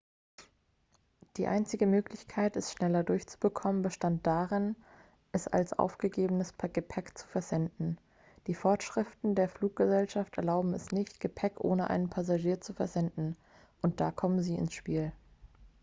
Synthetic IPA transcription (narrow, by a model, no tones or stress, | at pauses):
d̥iːʔa̰ɪnt͡sɪɡəmøːklɪçkʰaɪtɛstʃnɛlɐdʊɐçt͡su̥bəkʰɔmənbəʃtant̚d̥aːʁɪn | ʔɛsa̰lsʔa̰ʊfɡ̥əɡeːbənəspɡ̥əpʰɛkt͡su̥fɛɐzɛndn̩ | d̥iːfɔɐtʃʁ̥ɪftn̩deːɐfluːk̚ɡ̥əzɛlʃaftʔɛɐlaʊbm̩ɛsnɪçtɡ̥əpʰɛkʔo̰ːnəʔa̰ɪnənpʰazaʒiːɐt͡sufɛɐzɛndn̩ | ʔʊnt̚d̥aːkʰɔmənziːɪ̰nsʃpiːl